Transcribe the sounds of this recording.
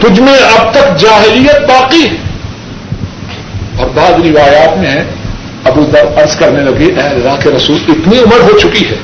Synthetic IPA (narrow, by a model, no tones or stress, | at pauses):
t̪ʊd͡ʒʱmẽɐb̚t̪ɐkd͡ʒaːɦɪlijət̪̚baːqiɦɛ | bɐɾd̪aːd̪ɾɪʋaːjaːt̪mẽɦɛ̃ | ɐbuːd̪ɐɾɐɾskɐɾnelɐɡeʔɛːlɾaːkeɾɐsuːlɪt̪niʊməɾɦot͡ʃʊkiɦɛː